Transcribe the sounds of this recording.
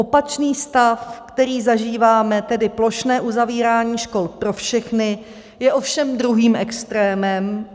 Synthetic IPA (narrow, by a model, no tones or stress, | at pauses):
ʔo̞pat͡ʃniːst̪afkt̪ɛɾiːzaʒiːvaːmɛt̪ɛdɪplo̞ʃnɛːʔuzaviːɾaːɲiːʃko̞lpɾo̞fʃɛxnɪ | jɛʔo̞fʃɛmd̪ɾuɦiːmʔɛkst̪ɾɛːmɛm